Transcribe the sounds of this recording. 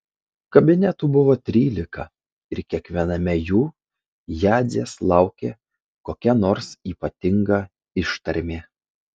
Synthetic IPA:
kɐbʲɪnʲɛt̪uːbʊʋoːt̪ʲɾʲiːlʲɪkɐ | ɪɾkʲiɛkʋʲiɛnɐmʲɛjuː | jæːzʲeːslˠɑˑʊkʲeː | koːkʲɛnoːɾsiːpɐt̪ʲɪŋɡɐ | ɪʃt̪ɐɾʲmʲeː

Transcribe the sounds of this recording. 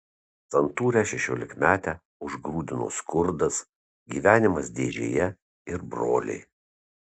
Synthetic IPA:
t̪sɐnt̪uːɾʲæʃʲɛʃʲoːlʲɪkmʲæːt̪ʲæː | ʊʒɡɾuːd̪ʲɪno̰ːskʊɾd̪ɐs | ɡʲiːʋʲæːnʲɪmɐsd̪ʲeːʒʲḛːjɛ | ɪɾbɾoːlʲɛ̰ɪ

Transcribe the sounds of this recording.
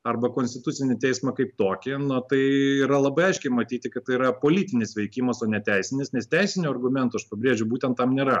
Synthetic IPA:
ɐrbɐkoːnsʲt̪ʲɪt̪ʊsʲɪnʲɪt̪ʲɛɪsmɐkɐɪp̚t̪oːkʲɪnʊt̪ɐɪiːɾɐlˠɐbɐɪɐɪʃʲkʲɛɪmɐt̪ʲiːt̪ʲɪkɐt̪t̪ːɐɪiɾɐpoːlʲiːt̪ʲɪnʲɪsʋʲɛɪkʲiːmɐsoːnʲɛt̪ʲæɪsʲɪnʲɪsnʲɛst̪ʲɛɪsʲɪnʲuːɐrɡʊmʲɛnt̪ʊɐʃpɐbʲɾʲeːʒʲʊbuːt̪ʲɛnt̪t̪ːɐmnʲeːɾɐ

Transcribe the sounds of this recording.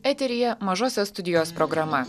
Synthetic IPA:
ɛːt̪ʲɛɾʲɪjɛmɐʒoːsʲost̪ʊd̪ʲɪjoːspɾɔɡɾɐmɐ

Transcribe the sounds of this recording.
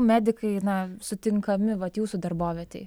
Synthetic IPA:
mʲæːd̪ʲɪkɐɪnɐsʊt̪ʲɪŋkɐmʲɪʋɐt̪juːsuːd̪ɐrboːʋʲiɛt̪ʲɛɪ

